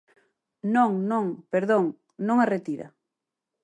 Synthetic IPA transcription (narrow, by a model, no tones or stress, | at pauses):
nõŋnõŋpeɾðoŋ | nõŋaret̪iɾɐ̰